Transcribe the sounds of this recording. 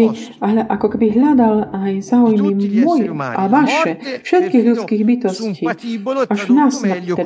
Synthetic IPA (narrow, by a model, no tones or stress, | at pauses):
iɦʔakɔkɛbiɦʎad̪alajzaːujmimɔjʔavaʃɛfʃɛt̪kiːɣlʲut͡skiːɣbit̪ɔsciːaʒvnasmɛt̪ɛ